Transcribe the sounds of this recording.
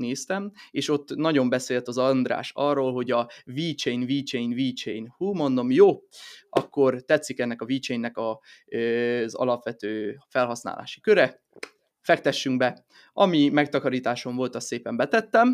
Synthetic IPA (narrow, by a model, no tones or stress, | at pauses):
neːst̪ɛmeːʃo̞t̪ːnɒɟo̞mbɛseːlt̪ɒzɒnd̪ra̰ːʃɒrːoːlɦo̞ɟɒviːt͡ʃejnviːt͡ʃɛinviːt͡ʃɛinhuːmo̞nd̪o̞mjoːʔɒ̰kːo̞rt̪ɛt̪sːikɛnːɛkɒviːt͡ʃɛjnːɛkɒ | zɒ̰lɒpʋɛt̪øːfɛlɦɒsna̰ːla̰ːʃi̥køɾɛ | fɛk̚t̪ɛʃːyŋɡbɛ | ɒmimɛk̚t̪ɒkɒɾiːt̪aːʃo̞ɱvo̞lt̪ɒst̪seːpɛmbɛt̪ɛt̪ːɛm